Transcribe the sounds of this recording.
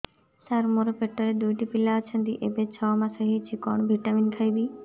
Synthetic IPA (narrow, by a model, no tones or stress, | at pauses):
saɾmoɾəpeʈːəɾed̪ujʈipilat͡ʃʰə̃nd̪iʔebet͡ʃʰaːmãsəɦit͡ʃʰikɔɳ̃bʱiʈaminkʰaibi